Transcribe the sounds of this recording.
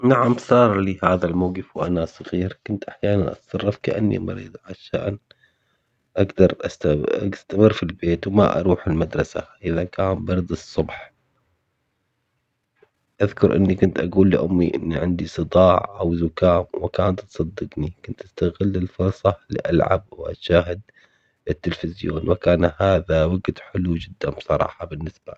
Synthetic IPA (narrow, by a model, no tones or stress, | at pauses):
naʕamsˤɑːɾˤlihaːðalmawɡɪfwʔa̰nasˤɑɣiːɾkʊnt̪ʔaħjaːnanʔɑ̰t̪sˤɑrˤːɑfkaʔa̰nːḭmɑ̰ɾḭːd̪ˤʕaʃːa̰ʔn | ʔaɡd̪ɑɾˤʔast̪ast̪amɪrːfilbeːt̪wma̰ʔɑ̰ɾˤuːħɪlmad̪ɾˤɑsa̰ʔɪðakʰaːmbɑɾˤd̪ɨsˤːʊbħ | ʔaðkʊɾʔɪ̰nːikʊnt̪ʔaɡuːlːiʔʊmːiʔɪ̰nːiʕɪnd̪isˤɨd̪ˤɑːʕʔawzʊkaːmwɪkaːnt̪ːsˤɑd̪ːɨɡnikʊnt̪ʔast̪aɣɪlːɪlfʊɾˤsˤɑlḭʔalʕa̰b̚wʔa̰ʃaːɦɪd̪̚ | ɪt̪ːɪlfɪzjo̰ːnwakaːnhaːðawaɡd̪ħɪlud͡ʒɪd̪ːambsˤɑɾˤɑ̰ːħɑbɪnːɪsb̥a̰